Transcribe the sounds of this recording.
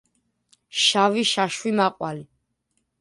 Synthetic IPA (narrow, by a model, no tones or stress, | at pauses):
ʃaviʃaʃwimaqʼwali